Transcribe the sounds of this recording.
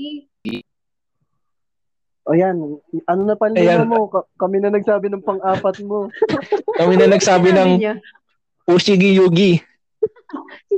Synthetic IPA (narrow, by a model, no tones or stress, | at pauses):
ʔojanʔɐnonɐpɐljanɐmo̞kɐkɐmɪnɐnɐɡ̚saːbɪnɐŋpɐŋʔaːpɐt̪̚mo̞ | kɐmɪnɐnɐɡsaːbɪnɐŋ | ʔusiɡɪjuːɡɪ